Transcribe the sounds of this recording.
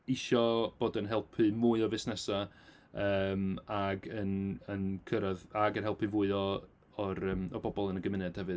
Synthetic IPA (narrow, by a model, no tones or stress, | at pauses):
ɪʃɔb̥oːdənɦɛlˠpʰɨmuɨɔvɨsnɛsa | əːmaɡənənkʰəɾəðaɡənɦɛlˠpʰɨvuɨɔ | ɔɾəːmɔbɔbɔlˠənəɡəmɪnɛd̥hɛvɨ